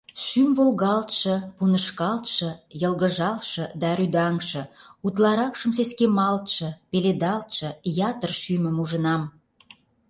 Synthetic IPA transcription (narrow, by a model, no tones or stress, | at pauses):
ʃymvolɣɑlt̪ʃə̆punəʃkɑlt̪ʃə̆jəlɣə̆ʒɑlʃə̆d̪ɑɾyd̪ɑŋʃə̆ut̪lɑɾɑkʃə̆ms̬eskemɑlt̪ʃɤ̆peled̪ɑlt̪ʃɤ̆jɑt̪ərʃymə̆muʒə̆nɑm